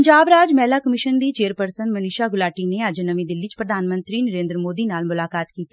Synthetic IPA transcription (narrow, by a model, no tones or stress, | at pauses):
əɲd͡ʒaːbɾaːd͡ʒmɛːlaːkəmɪʃənd̪iːt͡ʃeːəɾpəɾsənmənɪːʃaːɡʊlaːʈiːneːəd͡ʒnəʋĩːd̪ɪlːit͡ʃpɾəd̪ʱaːnmə̃nt̪ɾiːnəɾẽːnd̪ɾəmoːd̪iːnaːlmʊlaːkaːt̪kiːt̪i